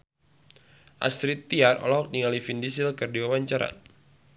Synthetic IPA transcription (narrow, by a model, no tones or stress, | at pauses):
ʔa̰sɾit̪ːiarɔ̰lɔɦɔk̚niŋalifindis̬ɪlkərdiwawaɲt͡ʃaɾa̰